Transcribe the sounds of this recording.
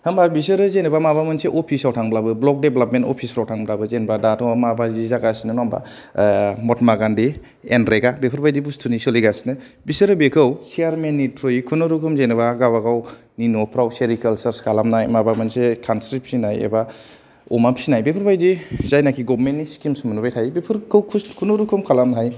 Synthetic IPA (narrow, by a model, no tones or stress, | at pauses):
hɯmbabis̬ɯɾɯzenɯbamabamɯnseʔɔpʰisawtʰaŋblabɯblɔk̚debelapmentɔ̰pʰisɾawtʰaŋblabɯzenbadatʰɔamabazizaɡasinɯnɔmba̰ | mɔtmaɡandi | enɾeɡabepʰuɾbajdibustʰunisoliɡasinɯ | bisɯɾɯbekʰɯwsiaɾmenːitʰɾojikʰunɔɾukʰumzenɯbaɡawaɡaw | ninɔpʰɾawseɾikʰəlsaɾskʰalamnaɦajmabamansekʰansɾip̚sinajḛba | umapʰi̥sinajbepʰɯɾbajdizajnakʰiɡɔbmentːiskimsmanubajtʰajbepʰɯɾkʰɯwkʰukʰunɔɾukʰumkʰalamnaɦaj